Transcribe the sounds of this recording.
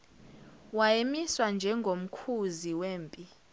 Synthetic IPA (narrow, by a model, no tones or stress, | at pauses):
wajemiswand͡ʒʱɛŋɡʱom̩kʰuziweːmpʼi